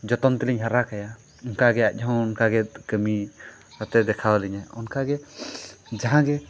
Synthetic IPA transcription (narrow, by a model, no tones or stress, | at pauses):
d͡ʒɔt̪ɔnt̪ɛliɲɦaɾakaja | ɔnkaɡɛa̰c̚ˀɔwɔnkaɡɛkəmisɔt̪ɛd̪ɛkʰawalɛɲaɔnkaɡɛ | d͡ʒaɦãɡɛ